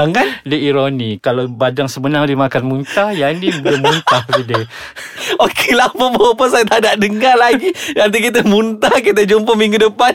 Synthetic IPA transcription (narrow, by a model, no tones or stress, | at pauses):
aŋandəiɾonikalabadaŋsəbənaŋdimakanmunt̪ajanibləmunt̪ahbidə | okelaməbawpəsajat̪adaʔdəŋarlaɡidant̪ik̬it̪̬əmunt̪ahkit̪̬ad͡ʒumpəmiŋɡudəpan